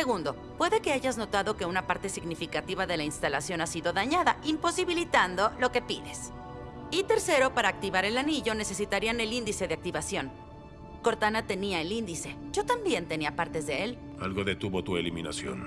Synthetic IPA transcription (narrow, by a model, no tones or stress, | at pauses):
se̞ɣund̪o̞ | pwe̞ðe̞ke̞aʝazno̞t̪aðo̞ke̞unapaɾt̪e̞siɣnifikat̪iβaðe̞lainst̪alasjo̞nasiðo̞ðaɲaðaʔimpo̞siβilit̪and̪o̞lo̞ke̞piðe̞s | it̪e̞ɾse̞ɾo̞paɾaːk̚t̪iβaɾe̞laniʝo̞ne̞se̞sit̪aɾiane̞lind̪ise̞ðe̞ak̚t̪iβasjo̞n | ko̞ɾt̪anat̪e̞niaelind̪ise̞ɟ͡ʝo̞t̪ambje̞nt̪e̞niapaɾt̪e̞zðe̞el | a̰lɣo̞ðe̞t̪uβo̞t̪uelimina̰sjo̰n